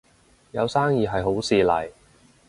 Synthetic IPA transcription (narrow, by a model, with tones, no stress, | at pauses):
jɐ˨˧wsaː˥ŋjiː˨˧ɦɐ˨jɦo˨˥wsiː˨lɐ̰˨˩j